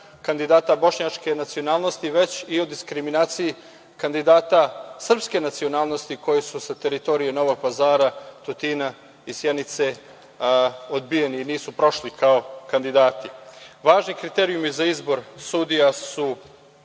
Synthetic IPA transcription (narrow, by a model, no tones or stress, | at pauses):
kand̪id̪aːt̪abo̞ʃɲat͡ʃke̞nat̪sio̞naːlˠno̞st̪iʋe̞t͡ɕiod̪iskɾiminaːt̪siji | kand̪id̪aːt̪asr̩pske̞nat̪sio̞naːlˠno̞st̪iko̞jesusat̪e̞ɾit̪o̞ɾijeno̞ʋo̞ɡ̚pazaːɾat̪ut̪iːna | isjenit̪se | od̪bijeniːniːsupɾo̞ʃlikaokand̪id̪aːt̪iʋaːʒnikɾit̪eɾiumizaizbo̞ɾsud̪ijasu